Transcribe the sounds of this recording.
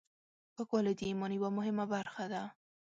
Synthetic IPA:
pəkwɑlɪd̪iimɔnjwamʊɦɪmabaɾxad̪a

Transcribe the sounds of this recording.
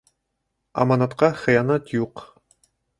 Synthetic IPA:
ɑ̰mɑnɑt̪qɑχɘ̆jɑnɑt̪juq

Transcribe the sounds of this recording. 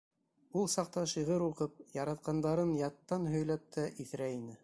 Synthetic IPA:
ulˠsɑq̚t̪ɑʃiʁɤɾuqɤp̚jɑɾɑt̪̚qɑnd̪ɑɾɤnjɑt̪ːɑnɦɵ̆jlæp̚t̪ʰæʔiθɾæinɘ

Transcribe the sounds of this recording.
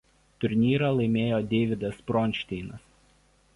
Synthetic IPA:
t̪ʊɾʲnʲiːɾɐlˠɐɪmʲeːjoːd̪ʲeːʋʲɪd̪ɐspɾɔnʲʃʲt̪ʲɛɪnɐs

